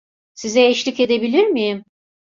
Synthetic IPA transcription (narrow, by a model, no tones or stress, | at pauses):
sizɛeʃlʲike̞d̪e̞bilʲiɾmijim